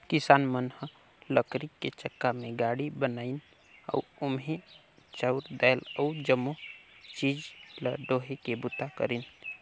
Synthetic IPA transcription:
kɪsaːnmənhə | ləkɾikːet͡ʃəkːamẽɡaːɽibənaːin | ə̰ʊmɦe | t͡ʃəʊɾd̪ɛːjləʊd͡ʒəmːot͡ʃiːd͡ʒləɖoːɦekebʊt̪akə̰ɾin

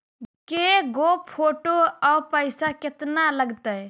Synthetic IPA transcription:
keɡoppʰoʈoapəɪsaket̪naləɡt̪əj

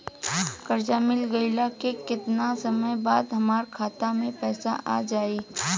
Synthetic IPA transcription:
kɐɾd͡ʒaːmɪlɡɐɪlakekɪt̪nasɐməjbaːd̪ɦɐmaːɾkʰaːt̪amẽpɛːsa̰ʔa̰ːd͡ʒaːeː

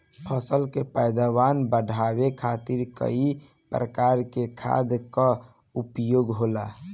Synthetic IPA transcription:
pʰəsəlkepəjd̪abanbəɖʱawekʰat̪iɾkə̰i | pɾəkaɾkekʰa̰d̪ka | upjoɡɦola̰

